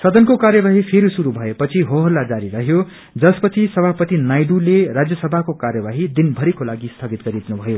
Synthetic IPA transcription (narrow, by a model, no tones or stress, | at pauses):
sʌd̪ʌnkokarjʌbaɦipʰeɾisuɾubʱʌepʌt͡sʰiɦoɦʌlːad͡zaɾiɾʌɦjo | d͡zʌspʌt͡sʰisʌbʱapʌt̪inajɖulerad͡zjʌsʌbʱakokarjʌbaɦid̪inbʱʌɾikolaɡist̪ʰʌɡit̪ɡʌɾid̪inubʱʌjo